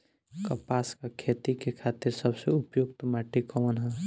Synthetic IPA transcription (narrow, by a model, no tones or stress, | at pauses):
kəpaːskakʰet̪ikekʰaːt̪ɪɾsəbseʊpjokt̪maʈikɔnɦɛ̃